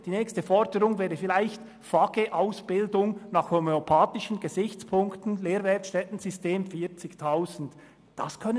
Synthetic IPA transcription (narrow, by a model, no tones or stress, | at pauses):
d̥iːnɛːkstəfɔɾdəʁʊŋvɛːɐdəfɪlaɪçt | faɡ̥eʔaʊsb̥ɪldʊŋnɑχhomeopʰaːtɪʃən̩ɡ̥əzɪçt͡spʰʊŋktn̩leːɾvɛtʃtɛtn̩zʏsteːmfiːt͡sɪçtʰaʊzn̩t | d̥ɑskʰœnə